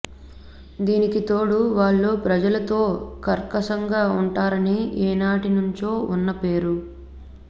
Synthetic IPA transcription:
d̪iːnikit̪o̞ːɽuʋaːɭːo̞ːpɾɐd͡ʒɐlɐt̪o̞ːkɐɾkɐsɐŋɡaːuɳʈaːɾɐniɛːnaːʈinuɲt͡ʃo̞ːunːɐpe̞ːɾu

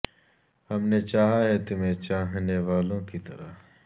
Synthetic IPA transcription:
hɐmnet͡ʃaːɦaɦɛt̪ʊmẽt͡ʃaːɦneʋaːlõkit̪ɐ̰ɾa

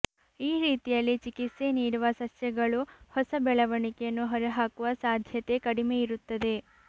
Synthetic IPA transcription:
iːɾiːt̪ijɐlːit͡ʃikit̪se̞niːɽuʋɐsɐsjɐɡɐɭuhɔsɐbɛɭɐʋɐɳikejɐnːuɦɔɾɐɦaːkuʋɐsaːd̪ʱjɐt̪e̞kɐɽime̞iɾut̪ːɐd̪e̞

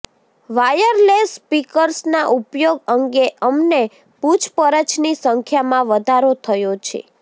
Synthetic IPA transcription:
ʋajəɾlespikəɾsnaʔupjoɡəŋɡeʔəmne | pud͡ʒpəɾət͡ʃnisəŋkʰjamãʋəd̪ʱaɾot̪ʰəjot͡ʃʰḛ

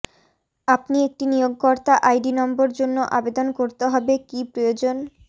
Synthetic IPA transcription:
apniek̚ʈinijoɡkɔɾt̪aʔajɖinɔmboɾd͡ʑonːoʔabed̪onkoɾt̪eɦɔbekipɾojod͡ʑon

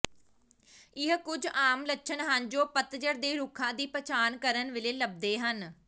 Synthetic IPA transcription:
ɪɦkʊd͡ʒaːmlətːʃʰənɦənd͡ʒoːpət̪d͡ʒəɾd̪eːɾʊkʰãːd̪iːpət͡ʃaːnkəɾənʋɪleːləb̚d̪eːɦən

